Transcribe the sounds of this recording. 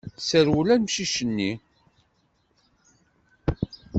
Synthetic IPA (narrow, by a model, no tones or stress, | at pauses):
səɾwulænmʃiʃənːi